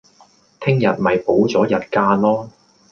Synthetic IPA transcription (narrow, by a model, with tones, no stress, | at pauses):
t̪ʰɪ˥ŋjɐ˨t̚mɐ˨jpo˨˥wt͡sɔː˨˥jɐ˨t̚kaː˧nlɔː˥